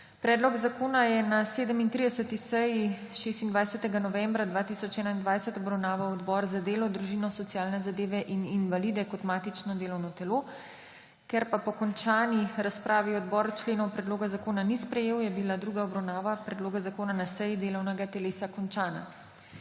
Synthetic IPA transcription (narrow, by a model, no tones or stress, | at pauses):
pɾɛːd̪lɔɡzakoːnajɛnaseːd̪əmint̪ɾid̪ɛsət̪isɛji | ʃest̪ind̪ʋajsɛt̪ɛɡanɔʋɛmbɾad̪ʋaːt̪isɔt͡ʃɛːnaind̪ʋajsɛt̪ɔbɾawnaːʋawɔd̪bɔɾzad̪eːlɔd̪ɾuʒinɔsɔtsijaːlnɛzad̪eːʋɛʔininʋaliːd̪ɛkɔt̪maːt̪it͡ʃnɔd̪eːlɔwnɔt̪ɛlo | kɛɾpapɔkɔnt͡ʃaːniɾaspɾʔaːʋiɔd̪bɔɾt͡ʃleːnɔwpɾɛd̪loːɡazakoːnanispɾɛjeːwjɛbilad̪ɾuːɡaɔbɾawnaːʋapɾɛd̪loːɡazakoːnanasɛjid̪eːlɔwnɛɡat̪ɛleːsakɔnt͡ʃaːna̰